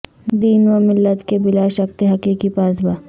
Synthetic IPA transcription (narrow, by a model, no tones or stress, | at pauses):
d̪iːnwɐmɪlːət̪kebɪlaʃɐkt̪eɦɐkiːkipaːsbaː